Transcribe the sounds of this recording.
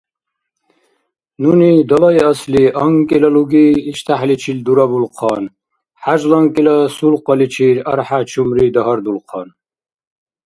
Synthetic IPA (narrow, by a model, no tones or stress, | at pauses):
nunid̪ɔlaiɑsliʔɑŋkʼilaluɡiːʃt̪ʰaħlit͡ʃʰild̪uɾabulqʰɑn | ħaʒlɑŋkʼilasulqʼɔlit͡ʃʰiɾaɾħat͡ʃʰumɾid̪ɔɦɔɾd̪ulqʰɑn